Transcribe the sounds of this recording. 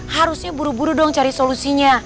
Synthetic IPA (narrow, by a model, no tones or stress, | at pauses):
haɾusɲabuɾubuɾudɔŋt͡ʃaɾisolusiɲa